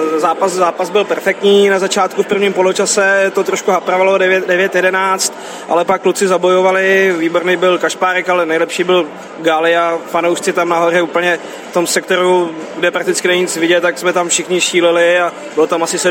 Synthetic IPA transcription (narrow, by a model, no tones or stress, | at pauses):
zaːpaszaːpazbɪlpɛɾfɛk̚t̪ɲiːnazat͡ʃaːt̪kufpr̩vɲiːmpolot͡ʃasɛt̪ot̪ɾoʃkuɦapɾavaloɛvɛdɛvjɛt̪jɛdɛnaːt͡st̪ | ʔa̰lɛpakːlut͡sɪzabo̞jovalɪviːboɾnejbɪlkaʃpaːɾɛkalɛnɛjlɛpʃiːbɪl | ɡalɪafanowʃt͡sɪt̪amnaɦo̞rɛuːpəɲɛ | ft̪o̞msɛk̚t̪o̞ɾuɡdɛpɾak̚t̪ɪt͡skɪnɛɲɪt͡svɪɟɛt̪t̪ːaksmɛt̪amfʃɪxɲɪʃiːlɪlɪa | bɪlot̪amasɪsɛ